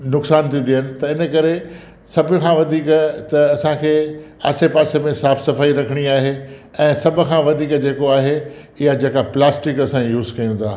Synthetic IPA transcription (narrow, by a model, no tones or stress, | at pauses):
nʊksaːnt̪ʰĩd̪ijənɪ̆t̪ɐɪnə̆kɐɾe | sɐbʱʊkʰãʋɐd̪ʱiːkt̪ɐɐsãkʰeː | a̰ːsepaːsemẽsaːfsɐfaːiɾɐkʰəɽ̃iaːɦeɛ̃ːsɐbʱʊ̆kʰãːʋɐd̪ʱiːkd͡ʑeːkoaːɦe | ɪɦad͡ʑeːkaplaːsʈɪkɐsãjuːzkɐjũt̪ʰaː